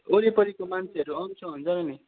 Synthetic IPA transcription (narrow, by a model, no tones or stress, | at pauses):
oɾipʌɾikomant͡sʰeʌɾuʌmt͡sʰʌ̃ɦunt͡sʌɾʌni